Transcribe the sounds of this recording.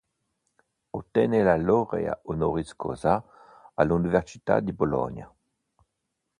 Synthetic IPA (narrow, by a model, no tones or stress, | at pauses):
ot̪ːɛnelaloʁḛa̰onoʁiskʰo̰za | alunivɛʁsi̥t̪a̰d̪ibolɔ̰nja̰